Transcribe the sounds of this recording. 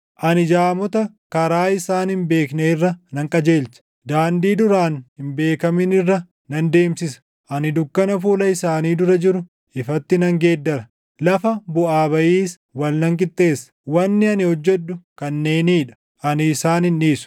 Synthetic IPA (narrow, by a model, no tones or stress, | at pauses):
ʔɐnɪd͡ʒaːmɔt̪ɐ | kɐɾaːɪsaːnhɪmbe̞ːkneːɪrːɐnɐŋkʼɐd͡ʒeːlsɐ̥ | d̪aːnd̪iːd̪ʊɾaːnhɪmbe̞ːkɐmɪnɪrːɐ | nɐnd̪e̞ːmsɪsɐ̥ | ʔɐnɪd̪ʊkːɐnɐfuːlɐɪsaːniːd̪ʊɾɐd͡ʒɪɾʊ | ɪfɐt̪ːɪnɐŋɡe̞ːd̪ːɐɾɐ | lɐfɐbʊʔaːbɐʔiːs | wɐlnɐŋkʼɪt̪ʼːe̞ːsːɐ̥wɐnːɪɐnɪhɔd͡ʒːɛd̪ːʊkɐnːe̞ːniːᶑɐ̥ | ʔɐnɪːsaːnɪnʔiːsʊ̥